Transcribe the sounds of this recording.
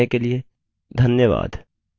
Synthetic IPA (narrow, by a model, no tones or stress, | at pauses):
ekelie | d̪ʱɐnjəʋa̰ːd̪